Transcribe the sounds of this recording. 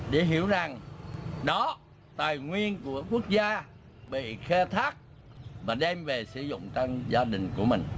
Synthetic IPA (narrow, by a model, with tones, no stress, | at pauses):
ɗe˧˩ɦi˧˩əwza˨˩ŋɗɔ˨˦ | t̪aː˨˩jŋwi˧ənku˧˩əku˦˥ək̚zaː˧ | ɓḭ˧˨xɛ˧t̪ʰaː˦˥k̚ | vaː˨˩ɗɛ˧mve˨˩sɨ˧˦zʊ̰˧˨ŋ͡mt͡ɕa˧ŋzaː˧ɗï˨˩ŋ̟ku˧˩əmï˨˩ŋ̟